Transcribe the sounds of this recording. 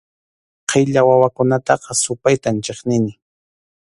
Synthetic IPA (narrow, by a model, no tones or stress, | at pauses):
qʰejʎawawakʊnat̪ɑqɑsʊpajt̪ant͡ʃeχnɪnɪ